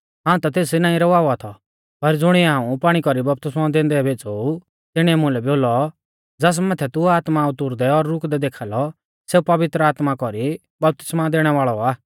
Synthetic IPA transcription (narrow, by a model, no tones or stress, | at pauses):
ɦãːũt̪at̪eːs̬inãːĩɾɔʋaːɔat̪ʰɔ | pɐɾd͡zʊɽ̃iɛɦãːũpaːɽ̃ikɔɾibɐp̚t̪ɪsmad̪ẽːnd̪ɛbʱeːt͡sou | t̪ɪɽ̃ĩɛmʊ̃lɛboːlɔ | d͡zɐs̬mat̪ʰɛt̪ʊaːt̪maʊt̪ʊɾd̪ɛɔɾːʊkd̪ɛd̪eːkʰaːlɔ | seːupɐʋɪt̪ɾəaːt̪makɔɾi | bɐp̚t̪ɪ̥smad̪eːɽ̃ɛʋaːɭɔaː